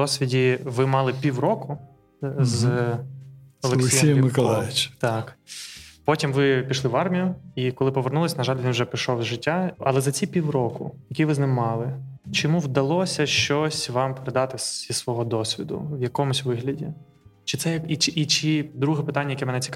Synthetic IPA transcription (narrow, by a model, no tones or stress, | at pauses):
ɔsʲʋʲidʲiʋɪmɑlˠɪpʲiwrɔkʊ | z | ɔlˠelk̪sekiijmɪkɔlˠajɪt͡ʃt̪ɑk | pɔtʲimʋɪpʲiʃlˠɪʋɑrmʲijʊikɔlˠɪpɔʋernulˠɐsʲnɐʒɑlʲʋʲinʒɛpʲiʃɔwzʒɪtʲːaɐlˠɛzɐt͡sʲipʲiwrɔkʊ̰jɐkʲiʋɪznɪmːɑlˠɪ | t͡ʃɔmuwd̪ɐlˠɔsʲɐʃt͡ʃɔsʲʋɑmpeɾed̪ɑt̪ɪisʋɔɦɔd̪ɔsʲʋʲḭd̪ʊ̰ʋjɐkɔmʊsʲʋɪɦlʲɐdʲi | t͡ʃɪ̥t̪sɛjɐkit͡ʃɪʔːt͡ʃɪd̪ɾuɦɛpɪt̪anʲːɐjɐkɛmɛnɛt͡sʲi̥k